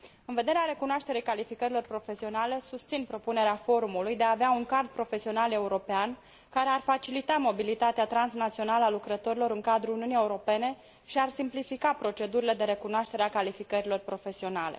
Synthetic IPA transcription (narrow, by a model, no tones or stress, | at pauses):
ɨnve̞d̪e̞ɾeaɾe̞kunoaʃt̪e̞ɾejkalifikəɾilo̞rpɾo̞fe̞sio̞nale̞sust̪sinpɾo̞pune̞ɾeafo̞ɾumulujd̪eaːveauŋkard̪̚pɾo̞fe̞sio̞nale̞uɾo̞pean | kaɾe̞arfat͡ʃilit̪amo̞bilit̪at̪eat̪ɾansnat̪sio̞naləalukɾət̪o̞ɾilo̞ɾɨŋkad̪ɾuuniunieuɾo̞pe̞ne̞ | ʃiarsimplifikapɾo̞t͡ʃe̞d̪uɾile̞d̪e̞ɾe̞kunoaʃt̪e̞ɾeakalifikəɾilo̞rpɾo̞fe̞sio̞nale̞̰